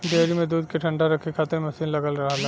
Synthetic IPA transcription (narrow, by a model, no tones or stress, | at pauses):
ɖeːɾimẽd̪uːd̪keʈʰɐ̃ɳɖaɾɐkʰekʰaːt̪ɪɾmɐsiːnlɐɡəlɾɐɦala